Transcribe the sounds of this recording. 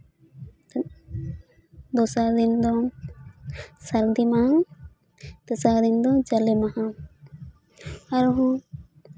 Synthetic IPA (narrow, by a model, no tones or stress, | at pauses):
d̪ɔsaɾd̪ind̪ɔ | saɾd̪imahaw | d̪̥ɔsaɾd̪ind̪ɔd͡ʒalɛmahaw | aɾɦɔ